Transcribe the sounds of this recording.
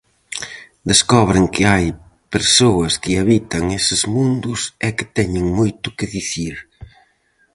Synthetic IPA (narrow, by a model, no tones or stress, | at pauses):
d̪eskɔβ̞ɾɪŋkɪaj | peɾsoɐskɪaβit̪ɐŋesɪzmũnd̪ʊsɛkɪ̥t̪ɛɲɪŋmojt̪ʊkɪðiθiɾ